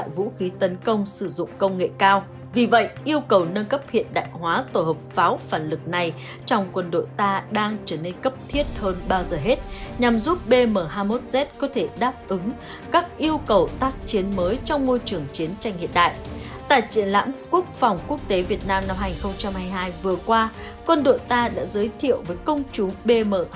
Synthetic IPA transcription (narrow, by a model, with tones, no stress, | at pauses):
t̪a̰ː˧˨jvṵ˧˥xi˨˦t̪ə˨˦nkə˧wŋ͡msɨ˧˩zʊ̰˧˨ŋ͡mkə˧wŋ͡mŋḛ˧˨kaː˧w | vi˨˩və̰˧˨jʔi˧əwkə˨˩wnə˧nkə˦˥p̚hḭ˧˨ənɗa̰ː˧˨jɦwaː˨˦t̪o˧˩həː˨˩p̚faː˨˦wfaː˧˩nlɨ˨˩k̚na˨˩j | t͡ɕɔ˧wŋ͡mkwə˧nɗo̰˧˨jt̪aː˧ɗaː˧ŋt͡ɕəː˧˩ne˧nkə˦˥p̚t̪ʰi˦˥ət̚həː˧nɓaː˧wzəː˨˩ɦe˦˥t̚ɲa˨˩mzu˦˥p̚ɓe˧məː˧˩ɦaː˧mo˦˥t̚zɛ˦˥t̚kɔ˨˦t̪ʰe˧˩ɗaː˦˥p̚ʔɨ˨˦ŋ | kaː˦˥k̚ʔi˧əwkə˨˩wt̪aː˦˥k̚t͡ɕi˨˦ənməː˨˦jt͡ɕɔ˧wŋ͡mmo˧jt͡ɕɨ˨˩əŋt͡ɕi˨˦ənt͡ɕa˧jŋ̟hḭ˧˨nɗa̰ː˧˨jʔ | t̪a̰ː˧˨jt͡ɕḭ˧˨ənla̰ː˧˥mku˦˥ək̚fɔ˨˩wŋ͡mku˦˥ək̚t̪e˨˦vi˨˩ət̚naː˧mna˧mɦaː˧ɲi˨˩xə˧wŋ͡mt͡ɕa˧mhaː˧jɦaː˧jvɨ˨˩əkwaː˧ | kwə˧nɗo̰˧˨jt̪aː˧ɗa̰ː˧˥zəː˨˦jt̪ʰḭ˧˨əwvəː˨˦jkə˧wŋ͡mt͡ɕʊ˨˦ŋ͡mɓe˧məː˧˩